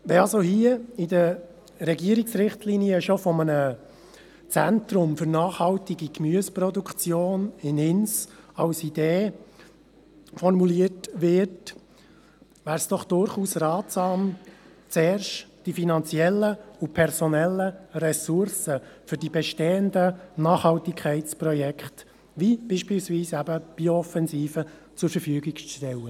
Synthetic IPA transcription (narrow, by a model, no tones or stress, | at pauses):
ʋɛɑlzohiəidə | ɾɛɡiəɾɪksɾɪχtʰliniəʃofɔmənə | t͡sɛntɾʊmfʏɾnɑːχhɑltiɡikmyəsprɔdukʰt͡sjoːnɪnɪnsɑ̰lsideː | fɔrmuliətʋɪt | væːɾsd̥ɔχd̥ʊɾχuːsrɑːt̪sɑːm | t͡seːrʃtd̥ifinɑnt͡siɛlːəʊpʰɛɾsɔnɛlːərɛsʊɾsəfʏɾdibɛʃteːəndənɑːχhɑltɪkʰχɛɪtt͡sprɔjɛkχt | ʋib̥iːʃpilsviːsæbəb̥iɔfɛnziːfət͡sʊɾfəɾfyəɡɪkʃtɛlə